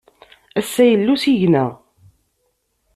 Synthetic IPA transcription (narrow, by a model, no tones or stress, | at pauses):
æsːæjəlːusiʝnæʁ